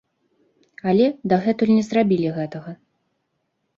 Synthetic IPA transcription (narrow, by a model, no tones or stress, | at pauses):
alʲɛd̪ɐɣɛt̪ulʲnʲɛzrabʲilʲiɣɛt̪ɐɣɐ